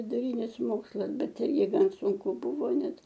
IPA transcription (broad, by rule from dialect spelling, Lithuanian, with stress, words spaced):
ʋʲɪdʊˈrʲiːnʲɪs ˈmoːkslˠɐs ˈbʲɛt ˈɪrʲɡʲɪ ˈɡɐn sʊŋˈkʊ ˈbʊʋoː ˈnʲɛt